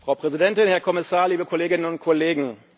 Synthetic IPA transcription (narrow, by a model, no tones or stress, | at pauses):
fʁ̥aʊpʁ̥ɛzidɛntɪnhɛɐkʰɔmɪsaːɐliːbəkʰɔleːɡɪnənʊnt̚kʰɔleːɡŋ̩